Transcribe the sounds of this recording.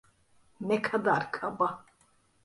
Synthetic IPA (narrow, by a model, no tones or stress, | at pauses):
nɛkʰad̪aɾkʰaba